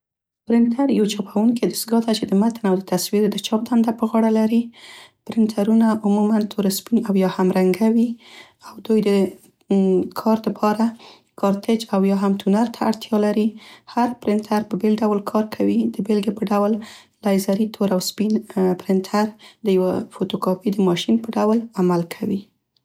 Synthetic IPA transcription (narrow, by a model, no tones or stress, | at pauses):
pɾɪnt̪ʰaɾjawat͡ʃɑpʰawuŋked̪əsɡɑd̪at͡ʃed̪əmat̪ənawd̪ət̪aswiɾd̪ət͡ʃɑp̚d̪and̪apəɣɑɽalaɾipɾɪnt̪ʰaɾunaʔʊmumant̪ʰoɾaspinawjɑhamɾaŋɡawi | awd̪ujd̪ə | kʰɑɾd̪əpʰɑɾa | kʰɑɾt̪ʰɪd͡ʒawjɑɦamt̪ʰunaɾt̪ʰaːɽt̪ʰjɑlaɾihaɾpɾɪnt̪ʰaɾpəbelɖawlkʰɑɾkʰawid̪̥əbelɡepəɖawl | lɑjzaɾit̪ʰoɾawspinpɾɪnt̪ʰaɾd̪əjawafot̪okɑpid̪əmɑʃinpəɖawəlamalkʰawi